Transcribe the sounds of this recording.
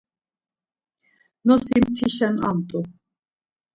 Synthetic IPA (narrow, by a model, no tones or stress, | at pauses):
nɔsimt̪ʰiʃɛna̰mt̪ʼu